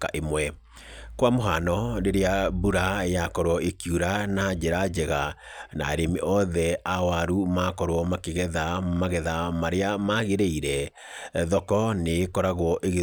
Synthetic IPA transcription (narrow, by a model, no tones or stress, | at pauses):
kaʔemwɛ | kwamoɦanɔɾeɾeabuɾajakɔɾwɔekjuɾanad͡ʑeɾad͡ʑɛɣa | na̰ɾemeʔɔðɛawaɾumakɔɾwɔmakeɣɛðamaɣɛðamaɾeamaɣeɾeiɾɛ | ðɔkɔnekɔɾaɣwɔʔeɣe